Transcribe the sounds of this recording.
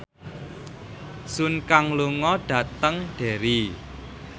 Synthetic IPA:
sunkaŋluŋɔɖ̥ä̤t̪əŋɖ̥e̤ɾi

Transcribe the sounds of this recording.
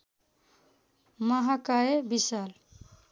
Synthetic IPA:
maɦakaebisal

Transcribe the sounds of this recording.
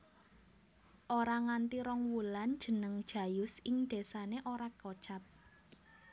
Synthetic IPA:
ʔoɾaŋant̪iɾɔŋwuland̥ʒ̥ə̤nəŋd̥ʒ̥a̤jʊsɪŋd̪̥e̤saneʔoɾakot͡ʃap̚

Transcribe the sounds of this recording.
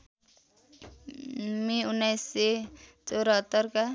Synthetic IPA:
miunːajsːet͡soɾʌɦʌt̪ːʌrka

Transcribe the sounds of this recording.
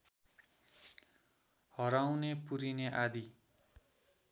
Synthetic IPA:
hʌɾawnepuɾineʔad̪i

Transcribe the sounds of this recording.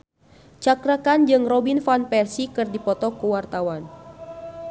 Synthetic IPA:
t͡ʃakɾakand͡ʒɨŋrɔbinfanpɛrsikɨrdipɔt̪ɔkuwart̪awan

